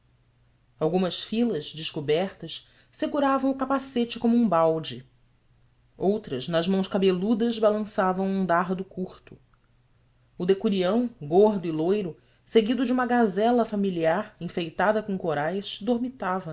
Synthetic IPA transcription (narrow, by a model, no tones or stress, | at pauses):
awɡũmɐʃfilɐʒd͡ʒɪʃkubɛɾt̪ɐʃ | seɡuɾavɐ̃w̃ʊkapaset͡ʃɪkõmʊũbawd͡ʒɪ | owt̪ɾɐʒnɐʒmɐ̃w̃ʃkabelud̪ɐzbalɐ̃savɐ̃w̃ũd̪aɦd̪ʊkuɾt̪ʊ | ʊd̪ekuɾiɐ̃w̃ɡoɦd̪ʊilojɾʊ | seɡid̪ʊd͡ʒɪũmɐɡazɛlɐfamiliaɾĩfejt̪ad̪ɐkõkoɾajʃd̪oɾmit̪avɐ